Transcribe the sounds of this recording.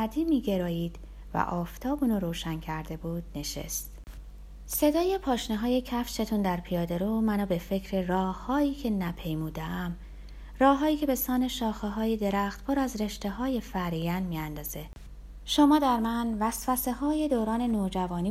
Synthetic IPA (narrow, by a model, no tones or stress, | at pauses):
æd̪iːmiːɟe̞ɾɒːjiːd̪̥ | væ̰ʔɒːft̪ʰɒːbunɔɾoːʃæncʰæɾd̪e̞buːd̪̥̚ne̞ʃḛst̪ | se̞d̪ɒːjepʰɒːʃneɦɒːje̞cʰæfʃe̞t̪ʰund̪æɾpʰijɒːd̪e̞ɾumænɒːbe̞fe̞cʰɾerɒːhɒːiːcʰe̞næpʰe̞jmuːd̪eæm | rɒːɦɒːiːcʰe̞be̞sɒːne̞ʃɒːxeɦɒːjed̪e̞ɾæxt̪pʰoɾæzre̞ʃt̪e̞ɦɒːje̞fæɾijænmiːænd̪ɒːze̞ | ʃomɒːd̪æɾmænvæsfæse̞hɒːje̞d̪oːɾɒːne̞noːd͡ʒævɒːniː